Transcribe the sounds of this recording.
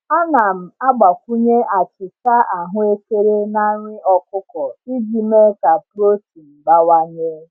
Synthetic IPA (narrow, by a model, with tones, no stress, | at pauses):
a˦na˨m̩˨a˦ɡ͡ba˨kʷu˦ɲe˦ʔa˨t͡ʃɪ˨t͡ʃa˦ʔa˨ɦʊ˦e˦ke˦ɾe˦na˦ɾʷɪ˦ɔ˦kʊ˦kɔ˨i˦d͡ʒi˨me˦ka˨pɾo˦ti˨m̩˨ɡ͡ba˦wa˦ɲe˦